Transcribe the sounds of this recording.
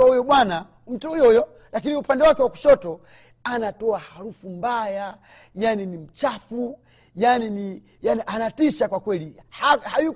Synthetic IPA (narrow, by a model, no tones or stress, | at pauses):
aujɔɓwana | um̩tɔujɔjɔ | lakiniupandɛwakɛwaku̥ʃɔtɔ | anatɔahaɾufum̩baja | janinim̩t͡ʃafu | janini | janiʔanatiʃakwakwɛlihahaju